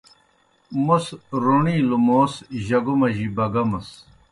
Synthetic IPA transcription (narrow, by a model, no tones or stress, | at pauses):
musɾuɳiːlumoːsʑɐɡumɐʑibɐɡɐmɐs